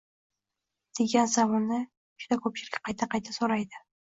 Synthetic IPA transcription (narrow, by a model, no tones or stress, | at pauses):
d̪̥e̞ɡʲansamɒnːɪ | ʊ̥ʃt̪akʰɵp̚t͡ʃɪlɪkʲqʰɑjt̪ʰaqʰɑjt̪ʰasoɾajd̪ɪ